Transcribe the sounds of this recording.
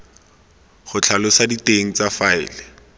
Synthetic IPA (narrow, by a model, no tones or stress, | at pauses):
χʊt͡ɬʰalʊsaditeŋ̩t͡safaɪ̰ːlɪ